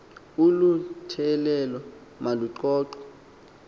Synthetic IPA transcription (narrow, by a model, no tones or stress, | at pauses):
ulutʰɛlɛlɔ | maluǀɔːǀɔ̥